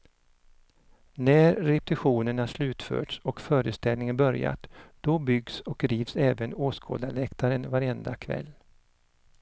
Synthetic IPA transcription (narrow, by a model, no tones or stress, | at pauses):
næɾɾɛp̚t̪ɪɧuːnəɳaʂlʉ̟ːt̪fœ̰ːʈsɔkfœːɾəst̪ɛlnɪŋənbœɾja̰t̪d̪̥ɔbʏɡsɔk̚d̪ɾiːvsɛːvənoːskʰo̰ːd̪alɛkt̪ʰaɾənvaɾɛnd̪akʰvɛ̰lː